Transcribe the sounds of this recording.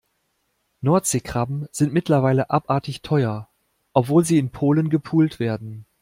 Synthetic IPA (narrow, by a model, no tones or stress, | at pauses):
nɔɐtz̥eːkʁ̥abm̩z̥ɪntmɪtlɐvaɪləʔapʔaːɐtɪçtʰɔʏɐ | ʔɔpv̥oːlziːɪnpʰoːlənɡəpʰuːltv̥eːɐdn̩